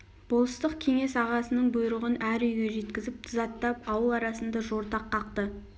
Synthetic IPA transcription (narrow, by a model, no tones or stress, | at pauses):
b̥olˠəst̪əqkʲʰe̞ŋe̞sɑʁɑsənəɴbʊjɾəʁənæɾʏjɡʲe̞ʒe̞t̪kʲɪzɪp̚t̪ʰzɑt̪ːɑp̚ɑwəlˠɑɾɑsənd̪ɑʒo̞ɾt̪ɑqʰːɑqt̪ə